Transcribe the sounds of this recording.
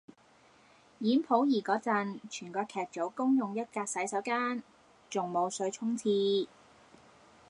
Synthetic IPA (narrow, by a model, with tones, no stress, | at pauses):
jiː˨˥npʰo˨˥wjiː˨˩kɔː˨˥t͡sɐ˨nt͡ʃʰyː˨˩nkɔː˧kʰɛː˨˩k̚t͡so˨˥wkʊ˥ŋjʊ˨ŋjɐ˥t̚kaː˧k̚sɐ˨˥jsɐ˨˥wkaː˥n | t͡sʊ˨ŋmo˨˧wsɵ˨˧ɥt͡sʰʊ˥ŋt͡sʰiː˧